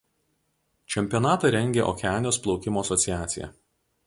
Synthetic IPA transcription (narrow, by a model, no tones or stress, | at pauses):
t͡ʃʲɛmʲpʲijɔnɑːt̪ɐɾʲɛŋʲɡʲeːʔɔ̰kʲɛæːnʲjoːsplˠɒʊkʲɪmoːɐsɔt̪sʲɪjæːt̪sʲɪjɛ̰